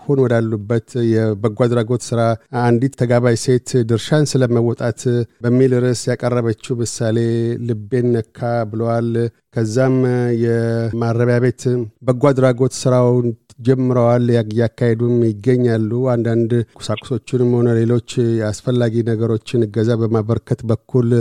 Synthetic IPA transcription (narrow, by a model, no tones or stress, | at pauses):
honwɔd̪alːubːət̪jɛbəɡʷad̪ɾaɡo̞t̪sɨɾaand̪it̪ʰːəɡaβajse̞t̪d̪ɨɾʃansɨləməwɔt̪ʼat̪bəmːilɨɾɨsjakʼərːəβət͡ʃːuhmɨsale̞lɨbːe̞nːəkʰːabɨləwal | kʰəzːamjɛmaɾːəβjaβe̞t̪bəɡʷad̪ɾaɡo̞t̪sɨɾaw | d͡ʒɛmːɨɾəwaljakːahed̪umjɪɡːəɲːalːuand̪and̪kʼʊ̥sakʼʊ̥so̞t͡ʃːɪnməho̞nəle̞lo̞t͡ʃːjɛasfəlːaɡinəɡəɾo̞t͡ʃːɪnɨɡəzabəmaβəɾkʰət̪bəkʰːul